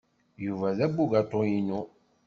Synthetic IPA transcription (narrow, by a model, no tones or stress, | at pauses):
juvazaɡ͡buɡatɔjino